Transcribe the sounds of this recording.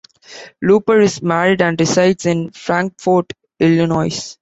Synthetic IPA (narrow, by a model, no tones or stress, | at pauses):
luːpəɾɪzmæɾɪɖæ̃ɳɖɾɪsaɪʈsɪ̃nfɾæ̃ŋkfɔɾʈ | ɪljənɔɪs